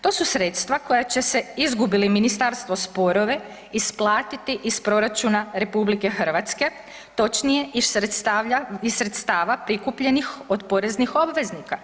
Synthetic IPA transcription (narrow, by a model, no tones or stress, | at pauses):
t̪o̞ːsusɾe̞t̪st̪ʋako̞jat͡ɕese̞izɡubiliminist̪aɾst̪ʋo̞spo̞ɾo̞ʋe̞ | isplˠaːt̪it̪iʔispɾo̞ɾat͡ʃunaɾe̞publike̞xər̩ʋat̪ske̞ | t̪o̞t͡ʃnije̞ist̪aaisɾe̞t̪st̪aːʋapɾikupʎe̞nixod̪po̞ɾe̞znixo̞bʋe̞znika